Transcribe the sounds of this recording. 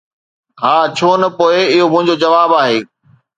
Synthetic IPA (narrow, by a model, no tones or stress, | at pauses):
ɦaːt͡ɕʰoːnɐpoːɪɪɦomʊ̃ɦɪ̃ɲd͡ʑod͡ʑɐʋaːbaːɦeː